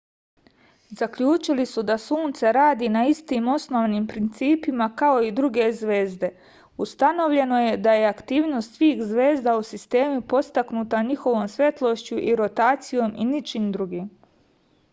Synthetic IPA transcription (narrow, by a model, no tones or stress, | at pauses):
zakʎuːt͡ʃilisud̪asuːnt̪saɾaːd̪inaist̪iːmo̞sno̞ːʋniːmpɾint̪siːpimakao̞id̪ɾuɡe̞zʋe̞ːzd̪e̞ | ust̪ano̞ʋʎe̞no̞je̞d̪aje̞akt̪iːʋno̞st̪sʋiːxzʋe̞ːzd̪ausist̪e̞ːmupo̞st̪aknuːt̪aɲixo̞ʋo̞ːmsʋʲje̞t̪lˠo̞ʃt͡ɕuʔiɾo̞t̪aːt̪sijo̞ːmʔinit͡ʃimd̪ɾuɡiːm